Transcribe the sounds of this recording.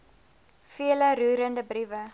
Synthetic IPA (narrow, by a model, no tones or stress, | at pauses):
fiələɾuːɾəndəbrivə